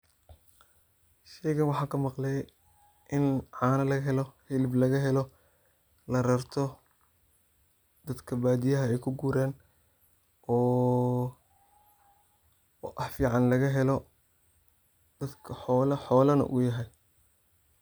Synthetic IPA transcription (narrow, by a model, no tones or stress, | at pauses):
ʃɛjɣɐnwɑħɑːkʰɐmɑqlɛj | ʔɪnʕɑːnɐlɐɣɐɦɛlɔhɪlɪblɐɣɐɦɛlɔ | lɐɾɐrt̪ʰɔ | d̪̥ɐd̪kʰɐbaːd̪ijɐɦɐɛjkʰʊɡuːɾaːn | ɔː | ʔɑħfiːʕɑnlɐɣɐɦɛlɔ | d̪̥ɐd̪kʰɐħɔːlɐħɔːlɐnɐ̰ʔʊ̰jɐɦɛj